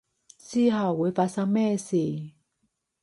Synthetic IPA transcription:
si˥˦ɦa˨˩˨we˨˦fa˧sa˧mɛ˥˧˨se˨

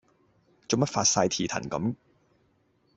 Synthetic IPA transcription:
t͡so˨˧mɐ˥t̚fa̰ː˧t̚saː˧jt̪ʰiː˨˩t̪ʰɐ̰˨˩nkɐ̰˨˥m

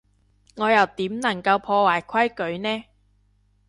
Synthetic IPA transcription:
ŋɔː˨˧jɐ˨wt̪iː˨˥mnɐ˨˩ŋkɐ˧wpʰɔː˧waː˨˩jkʷʰɐ˥jkɵ˨˥ɥnɛː˥

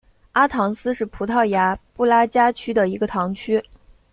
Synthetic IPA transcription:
a˥t̪ʰɑ˧˥ŋsɹ̩˥ʂɻ̩˥˩pʰu˧˥t̪ʰɑ˥˩ʊja˧˥pu˥˩la˥t͡ɕja˥t͡ɕʰy˥d̪ə˨i˧˥ɡə˧t̪ʰɑ˧˥ŋt͡ɕʰy˥

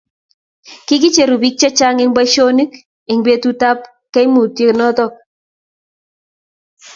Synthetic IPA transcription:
ki˦k̬i˦t͡ʃe˨ɾu˨bi˦k̚t͡ʃɛ˦t͡ʃa˦ŋɪ˦ŋba˦ʃo˦ni˦k | ɪ˨ŋbe˨tu˦ta˦p | kɛ˦jmu˨tje˨knɔ˦tɔ˦k̚

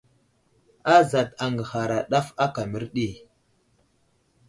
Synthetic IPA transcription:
a˦za˨ta˨ŋɡə˨ha˨ɾa˨ɗa˦fa˦ka˨mi˦ɾɗi˦

